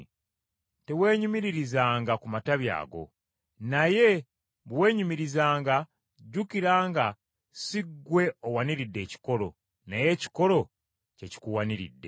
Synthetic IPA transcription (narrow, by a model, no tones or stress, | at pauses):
te̞we̞ːɲumiɾiɾizaːŋɡakumataβja̰ːɡo̞̰ | naje̞ | βwe̞ːɲumiɾizaːŋɡa | ɟukiɾaːŋɡa | siɡːwe̞owaniɾidːe̞ːci̥ko̞lo̞̰ | naje̞ːci̥ko̞ɾo̞ | ce̞ci̥kuwaniɾḭdːe̞̰